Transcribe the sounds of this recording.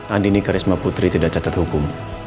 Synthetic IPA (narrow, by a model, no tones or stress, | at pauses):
nandinikaɾismaput̪ɾit̪idaʔ̚t͡ʃat̪at̪hukʊm